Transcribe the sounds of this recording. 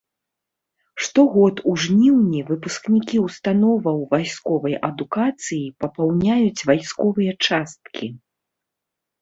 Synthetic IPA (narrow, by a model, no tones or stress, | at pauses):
ʂt̪ɔɣɔt̪uʐnʲiwnʲivɨpusknʲikʲiuwst̪anɔvɐwvajskɔvɐjʔɐd̪ukat̪sɨjipɐpawnʲajut͡sʲvajskɔvɨjɐt͡ʂast̪̚kʲi